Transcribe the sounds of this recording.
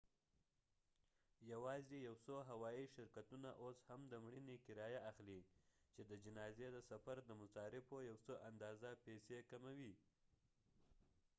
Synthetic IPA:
jawɑzejawsoɦawɑiʃɪɾkat̪unaʔoshamd̪əmɽinekɪɾɑjaʔaxlit͡ʃed̪əd͡ʒɪnɑzed̪əsafaɾd̪əmʊsɑɾɪfojawsoʔand̪ɑzapesekamawi

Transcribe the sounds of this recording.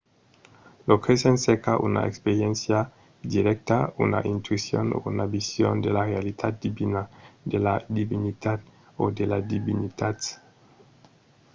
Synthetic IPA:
lokɾesensekaʔṵna̰ʔekspeɾjɛnsja | d̪iɾɛk̚t̪aṵna̰ʔint̪uisjo̰no̰unabisjo̰nd̪elarealit̪ʰat̪̚d̪ibinad̪elad̪ibinit̪at̪ | od̪elad̪iβinit̪at̪

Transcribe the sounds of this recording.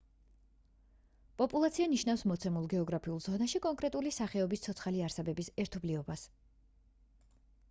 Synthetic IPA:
pʼɔpʼulˠat̪sʰianiʃnafsmɔt̪sʰɛmulˠɡɛɔɡɾapʰiulˠz̥ɔnaʃikʼɔŋkʼɾɛt̪ʼulisaχɛɔbist̪ʰɔt̪sʰχaliaɾsɛbɛbisɛɾt̪ʰɔbliɔbas

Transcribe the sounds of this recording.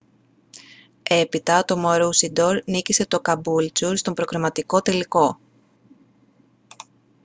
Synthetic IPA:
e̞pit̪ɐt̪o̞moɾusid̪o̞ɾnicise̞t̪o̞kɐbult͡suɾst̪o̞mbɾo̞kɾimɐt̪iko̞t̪e̞liko̞

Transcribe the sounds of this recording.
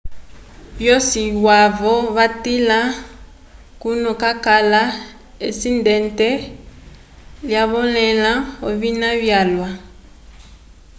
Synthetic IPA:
βjɔsiwavɔβatila | kunukakala | esindɛntɛ | ljaβɔlɛlaoβinaβjalwa

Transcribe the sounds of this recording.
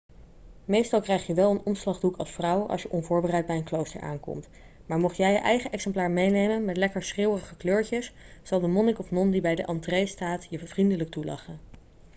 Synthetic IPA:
mejstɑlˠkrɛjχjəʋɛlˠənɔmslɑχdukɑ̰lˠsfrɑwɑ̰lˠsʃjəʔɔnvʊːɹbərɛjt̚bɛjənklowstə̰ɹa̰ːnkɔ̰mt | maːɹmɔχjɛjəʔɛjχəʔɛksɛmplaːɹmejnejmənmɛtlɛkəɹsχrɪwərəχəkløːɹcəs | zɑlˠdəmɔnɪkɔfnɔndibɛjdəʔɑntrejstaːtjəvrindələk̚tulɑ̰χə

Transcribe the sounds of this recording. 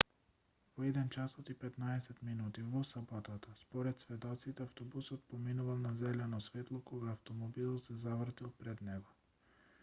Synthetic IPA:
vɔɛd̪ɛnt͡ʃasɔt̪ipɛt̪naɛsɛt̪minut̪ivɔsabɔt̪at̪aspɔɾɛt̪svɛd̪ɔt̪sit̪ɛaft̪ɔbusɔt̪̚pɔminuvalˠnazɛlɛnɔsvɛt̪lˠɔkɔɡaːft̪ɔmɔbilˠsɛzavr̩t̪ilˠpɾɛd̪nɛɡɔ

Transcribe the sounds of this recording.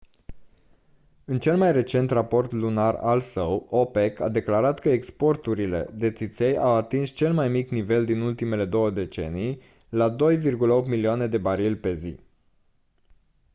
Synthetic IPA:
ɨnt͡ʃe̞lmajre̞t͡ʃe̞nt̪rapo̞rt̪lunara̰lsəwope̞ka̰d̪e̞klaɾat̪kəekspo̞rt̪uɾile̞̰d̪e̞t̪sit̪sejawat̪inst͡ʃe̞lmajmiknive̞ld̪inult̪ime̞le̞d̪o̞wəd̪e̞t͡ʃe̞̰nij | lad̪o̞jvirɡuləo̞p̚t̪miliane̞d̪e̞baɾilʲpe̞zi

